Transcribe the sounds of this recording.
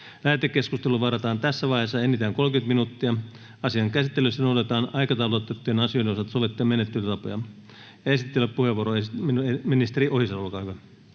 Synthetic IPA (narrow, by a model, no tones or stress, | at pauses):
læːt̪ekːeskust̪eluʋɑrɑt̪ɑːnt̪æsːæʋɑihesːɑenit̪æːŋkolkynt̪minut̪ːiɑ | ɑsiɑŋkæsit̪ːelyst̪ːænot̪et̪ɑːnɑikɑt̪ɑulot̪ːet̪ːyenɑsijonosɑt̪soʋet̪ːiɑmenet̪ːylt̪ɑpojɑ̰ | jɑesit̪ːelːeppuheʋuoɾoeeminist̪eriʔohisɑulkɑhyʋæ